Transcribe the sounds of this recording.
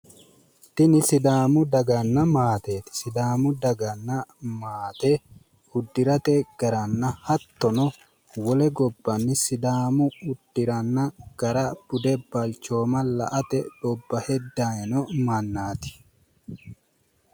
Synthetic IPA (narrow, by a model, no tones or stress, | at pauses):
t̪ɪnɪsɪd̪aːmʊd̪ɐɡɐnːɐmaːt̪eːt̪ɪ̥sɪd̪aːmʊd̪ɐɡɐnːɐmaːt̪e | ʊd̪ːɪɾɐt̪ɛɡ̥ɐɾɐnːɐhɐt̪ːɔnɔ | wɔlɛɡɔbːɐnːɪsɪd̪aːmʊʊd̪̥ːɪɾɐnːɐɡ̥ɐɾɐb̥ʊd̪ɛb̥ɐlt͡ʃoːmɐlɐʔɐt̪ɛᶑɔbːɐhɛd̪ːajɛnɔmɐnːaːt̪ɪ̥